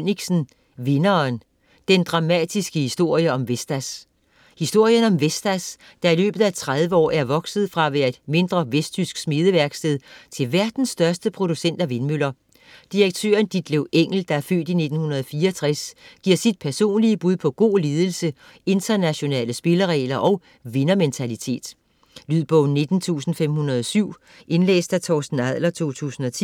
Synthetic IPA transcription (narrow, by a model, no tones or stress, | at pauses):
niɡ̥sn̩ | ʋe̝nɐːn | d̥end̥ʁɑ̈mɛd̥isɡ̥əhisd̥o̝ɐ̰jəɒ̽mʋesd̥æs | hisd̥o̝ɐ̰jənɒ̽mʋesd̥æs | d̥ɑ̈ilø̰ːb̥ð̩ˠæt͡sʰʁað̞ˠʋəɒ̰ːæɐʋɒ̽ɡ̥sð̞̩ˠfʁɑ̈ʋæɐd̥me̝nd̥ʁɐʋesd̥t͡sʰysɡ̥smið̞ˠəʋæɐɡ̥sd̥eð̞ˠt͡sʰe̝lʋæɐd̥n̩sːd̥ɶɐsd̥əpʰʁo̝ɾ̥usen̰d̥æʋe̝nmylɐ | d̥iʁɐɡ̥̚t͡sʰø̰ːɐnd̥id̥̚leʊʔeŋ̰l̩d̥ɑ̈æɐfø̰ːd̥ine̝d̥n̩hunɐð̞ˠɒfiːɐɒt͡sʰʁasɡ̥iɐ̰sid̥̚pʰæɐso̝̰ːnliəb̥uðˠpʰɒ̽ɡ̥o̝̰ːle̝ːð̞ˠəl̩sə | e̝nt͡sɐnæɕo̝nɛ̰ːləsb̥e̝lɐʁɛ̰ːlɐʔɒ̽ʊ | ʋe̝nɐment͡sʰælit͡sʰe̝̰ːd̥ | lyð̰ˠb̥ɔʊne̝d̥n̩t͡sʰṵːsn̩fem̰hunɐðˠɒ̽syʊ̰ | ʔe̝nlḛːsd̥æt͡sʰɒːsd̥n̩æð̰ˠlɐt͡sʰo̝̰ːt͡sʰṵːsn̩ɒ̽t͡sʰi